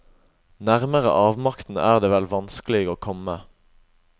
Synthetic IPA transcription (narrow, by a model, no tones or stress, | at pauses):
næʁməʁə̰ʔɑːʋmɑkt̪n̩æ̰ːʁd̪eːʋɛlʋɑnsklɪɡoːkʰɔmə